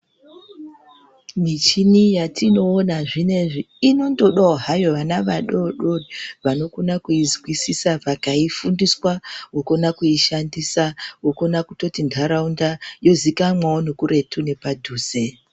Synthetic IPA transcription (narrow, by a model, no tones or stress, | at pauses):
mit͡ʃinijatino̞ːnaʐine̞ʐiːno̞ndo̞ɗooɦajo̞ʋanaʋaɗo̞ɗo̞ʋano̞konakuizwisisavakaifundiswawokonakuiʃandisawoko̞nakuto̞tindʱaɾaundajo̞zikamwaonokure̞tʰune̞padʱuːze